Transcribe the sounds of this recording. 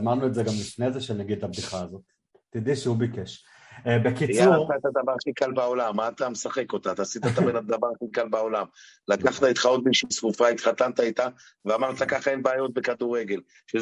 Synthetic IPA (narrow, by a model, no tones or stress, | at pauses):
amaʁnuetzeɡamlifnezeʃelnaɡid̪abd̪iχaːzot̪ | tːid̪iʃeubikeʃ | ebekiijaut̪aet̪ad̪avaʁχikalbao̞lamːaːt̪amesaχe̞ko̞t̪at̪aːsit̪at̪abenad̪avaʁaχikalbao̞lam | lakaχat̪ait̪χao̞t̪̚biʃimsvufait̪χat̪ant̪ait̪a | veamaʁt̪akaχaenbaːjo̞t̪̚bekad̪uʁeɡe̞l | ʃe